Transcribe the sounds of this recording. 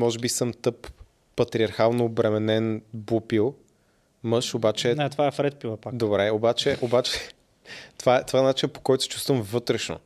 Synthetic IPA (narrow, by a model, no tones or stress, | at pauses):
mɔʒɛbisɤmt̪ɤpː | ɐt̪ɾiɐɾxalˠnoːbɾɛmɛnɛnbupilˠ | mɤʃobat͡ʃɛnɛt̪ovaɛfɾɛt̪̚pivɐpakd̪obɾɛobat͡ʃɛʔobat͡ʃɛ | t̪ovaɛt̪ovaɛnat͡ʃinəpo̥kɔjt̪o̥sʲt͡ʃu̥st̪vəmvɤt̪ɾɛʃno̰